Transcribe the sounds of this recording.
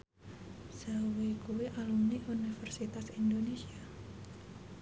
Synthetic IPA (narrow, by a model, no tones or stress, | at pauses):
sawikuwiʔalumniʔunifərsit̪asindonesia